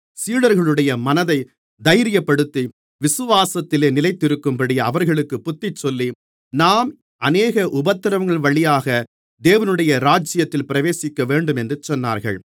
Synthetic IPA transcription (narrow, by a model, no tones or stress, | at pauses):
siːɽɐɾɣɐɭɯɽɐjɐmɐnɐðɐɪ | d̪ɐjɾɪjɐpːɐɽɯt̪ːi | ʋɪsɯʋaːsɐt̪ːɪleːnɪlɐɪt̪ːɪɾɯkːɯmpɐɽɪɐʋɐɾɣɐɭɯkːɯpːʊt̪ːɪt͡ʃːɔlːi | naːm | ɐneːɣɐʔʊbɐt̪ːɪɾɐʋŋɡɐɭʋɐɭɪjaːɣɐ | d̪eːʋɐnɯɽɐjɐɾaːd͡ʒɪjɐt̪ːɪlpɪɾɐʋeːsɪkːɐʋeːɳɖɯmɛndrɯt͡ʃːɔnːa̰ːɾɣɐ̰ɭ